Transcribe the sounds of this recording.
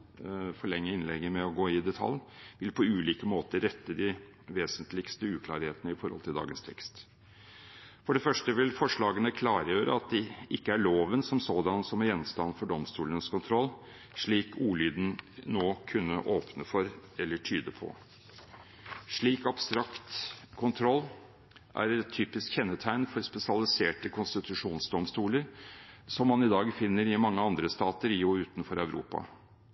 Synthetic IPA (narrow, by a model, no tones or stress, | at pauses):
fɔɭɛŋːəɪnlɛɡːəmɛɔɡoːɪd̪ɛt̪ʰɑ̰lːʋɪlpʰɔʉːliːkəmoːt̪əɾɛt̪ːəd̪ɪ | ʋeːsənt̪lɪkst̪əʉːkʰlɑ̰ːɾheːt̪ənəɪfɔɾhɔlt̪ʰɪld̪ɑ̰ːɡənst̪ʰɛkst̪ | fɔɖɛfœʂʈəʋɪlfɔʂɭɑːɡənəkʰlɑːɾjøːɾə̰ɑt̪̚d̪ɛʔɪkːəæɭoːʋənsɔmsoːd̪ɑnsɔmæɾjɛnːst̪ɑnːfɔɖɔmst̪uːlənskʰʊnt̪ʰɾɔlː | ʂɭiːkuːlyːd̪n̩noːkʰʉnːəʔoːpnəfɔɾɛlːəʈʰyːd̪əpʰɔ̰ | ʂɭiːkɑbst̪ɾɑkt̪kʰʊnt̪ʰɾɔlː | ʔæ̰ɾɛt̪ʰːyːpɪskçɛnːət̪ʰæɪnfɔɾspɛsɪɑlɪseːʈəkʰʊnst̪ɪt̪ʉʂuːnsd̪ɔmst̪uːləɾsɔmːɑnɪd̪ɑːɡfɪnːəɾɪmɑŋːəɑnd̪ɾəst̪ɑːt̪əɾɪuːʉːt̪nfɔɾæʉɾʔṵːpɑ̰